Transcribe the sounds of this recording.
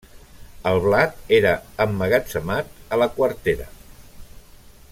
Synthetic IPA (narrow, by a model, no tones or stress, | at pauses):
əlˠβlat̪eɾəəmːəɣasəmat̪̚ələkwəɾt̪eɾə̰